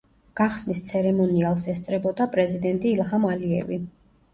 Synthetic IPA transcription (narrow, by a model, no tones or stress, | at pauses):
ɡ̥aχsnist̪sʰɛɾɛmɔnialˠsɛst̪sʼɾɛbɔd̪apʼɾɛzid̪ɛnt̪ʼiːlˠɦamaliɛ̰vi